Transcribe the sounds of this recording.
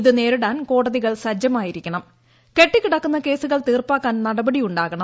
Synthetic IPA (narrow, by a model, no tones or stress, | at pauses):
iðɨne̞ːɾuɽaːnko̞ːɽɐðiɣɐɭsɐd͡ʑjɐmaːjiɾikʲːɐɳɐm | ke̞ʈːikiɽɐkːunːɐke̞ːsuɣɐɭt̪iːrpaːkːaːnnɐɽɐbɐɽijuɳɖaːɣɐɳɐ